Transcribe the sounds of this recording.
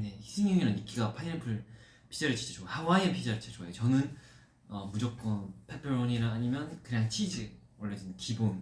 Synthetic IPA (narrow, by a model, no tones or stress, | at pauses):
ne̞çi̥sʰeŋjoŋiɾanik͈iɡapʰaipʰɯɭ | pʰi̥d͡ʑaɾɯɭt͡ɕʰi̥t͡ɕʰe̥t͡ɕʰohawaiepʰid͡ʑaɾɯɭt͡ɕʰet͡ɕoajot͡ɕʌnɯn | ʌmud͡ʑok͈̚ʌnpʰepʰeɾoɲiɾaːɲimjʌnkɯɾɲeaŋt͡ɕʰid͡ʑi | ʌɭːʌd͡ʑinkibon